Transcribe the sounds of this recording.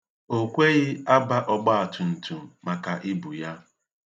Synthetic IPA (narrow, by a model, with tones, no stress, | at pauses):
o˦kʷe˦ɣɪ˦a˦ba˦ʔɔ˦ɡ͡ba˦a˨tʰʊ˨n̩˨tʰu˨ma˨ka˨ʔɪ˦bʊ˨ja˦